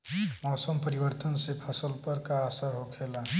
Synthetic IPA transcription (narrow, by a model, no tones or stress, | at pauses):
mɔːsəmpəɾiwəɾt̪ənsepʰəsəlpəɾkaːsaɾɦokʰeːla